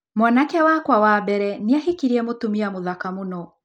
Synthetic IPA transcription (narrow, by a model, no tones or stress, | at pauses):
mwanakɛwakwawabɛɾɛniaɦikiɾiɛmotumiamoðakamunɔ